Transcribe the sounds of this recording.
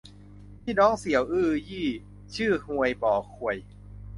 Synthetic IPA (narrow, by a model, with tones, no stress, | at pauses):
mʰiː˥˩nɔː˦˥ŋsi˨˦əwʔɯː˥˩jiː˥˩ | t͡ɕʰɯː˥˩hu˧˩əjbɔː˨˩kʰu˨˩əj